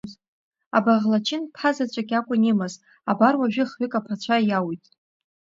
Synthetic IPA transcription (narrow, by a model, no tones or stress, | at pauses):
z | a̰baʁlat͡ʃʰɪnpʰazat͡ʃʷʼaɡʲakʷʼʊnimaz | abarwaʒᶣɪχɥɪkʼapʰat͡ʃʷʰajawitʼ